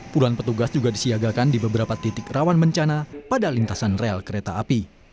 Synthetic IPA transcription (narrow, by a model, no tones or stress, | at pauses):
puluanpət̪uɡasd͡ʒuɡadisiaɡakandibəbəɾapat̪it̪ɪkrawanməɲt͡ʃanapadalint̪asanrealkəɾet̪aːpi